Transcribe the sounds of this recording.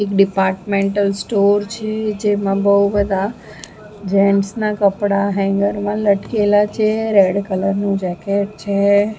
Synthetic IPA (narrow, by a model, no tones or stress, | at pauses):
ekɖɪpaːɾʈmẽɳʈəlsʈoɾt͡ʃʰed͡ʒemãbəɦubəd̪ʱa | d͡ʒɛnsnakəpɽaɦɛ̃ŋɡəɾmãləʈkelat͡ʃʰeɾeɖkələɾnũd͡ʒɛkeʈt͡ʃʰe